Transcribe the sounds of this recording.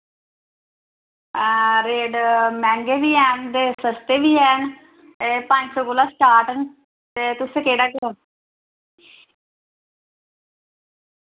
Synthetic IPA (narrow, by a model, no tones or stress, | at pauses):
ɾeːɖmɛ̃ːŋɡeːʋiːɛːnd̪eːsəst̪eːʋiːɛːn | epãɲd͡ʒsoːkolaːsʈaːɾʈən | t̪eːt̪ʊsẽːkeːɽaːkəɾən